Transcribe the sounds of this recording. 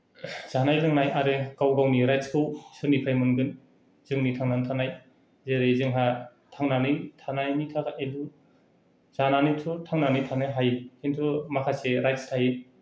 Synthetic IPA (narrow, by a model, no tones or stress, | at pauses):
z̥anajlɯŋnajaɾekawɡawniɾajtskʰɯwsɯnipʰajmɯnɡɯn | z̥ɯŋnitʰaŋnantʰanaj | zeɾezɯŋɦa | tʰaŋnanɯjtʰanajnitʰakaʔelu | z̥ananɯtʰutʰaŋnanɯjtʰanɯjɦajhʰentʰumakʰaseɾajtstʰai